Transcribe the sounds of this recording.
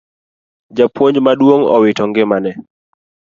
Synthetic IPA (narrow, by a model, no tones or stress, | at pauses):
d͡ʒapwoɲd͡ʒmadwoŋɔ̰wɪtɔŋɡɪmanɛ